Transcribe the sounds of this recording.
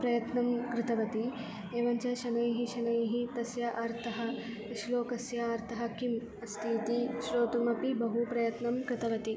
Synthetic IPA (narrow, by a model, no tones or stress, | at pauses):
pɾɐjɐt̪nɐmkɾɪt̪ɐʋɐt̪i | eːʋɐɲt͡ʃɐʃɐnɐjɦiʃɐnɐjɦit̪ɐsjɐʔaːɾt̪ʰɐɦɐ̆ | iʃloːkɐsjɐaːɾt̪ʰɐɦɐ̆kim | ɐst̪ʰiːt̪iʃɾoːt̪umɐpibɐɦupɾɐjɐt̪nɐmkɾɪt̪ʰɐʋɐt̪i